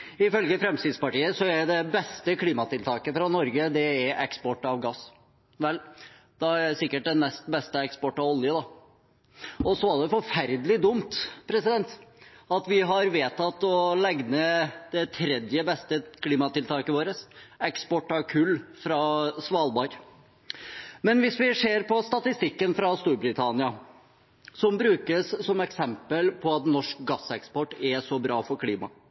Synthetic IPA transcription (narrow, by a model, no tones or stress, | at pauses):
ɪfœlɡəfɾɛmsiːd̪spɑʈiːəsɔæɖ̪ɛbɛst̪əkʰliːmɑt̪ɪlt̪ʰɑːkəfɾɑnɔɾɡəd̪ɛæɾʔɛkspɔʈːɑʋɡɑs | ʋɛlː | d̪̥ɛæsɪkːəʈ̚d̪ɛnmɛst̪bɛst̪əɛkspɔʈːɑʋɔljəd̪ɑ | ɔsɔæɖɛfɔɾfæɾd̪əlɪd̪ʊmt̪pʰɾɛsɪd̪ɛnt̪ɑt̪ʋɪɦɑɾʋeːt̪ʰːɑt̪ːɔlɛɡnəd̪̥ɛt̪ʰɾɛd̪jəbɛst̪əkʰliːmɑt̪ɪlt̪ʰɑːkəʋoːɾəsɛkspɔʈːɑɾkʰʉlːfɾɑsʋɑːlbɑɾ | mɛnʋɪsʋɪseːɾpʰɔst̪ɑt̪ɪst̪ɪkːənfɾɑst̪uːɾbɾɪt̪ʰɑnɪɑ | sɔmbɾʉːkəssɔmɛksɛmpəlpʰɔɑt̪nɔʂk̚ɡɑsːɛkspɔʈːɛsɔbɾɑːfɔɾkʰliːmɑ̰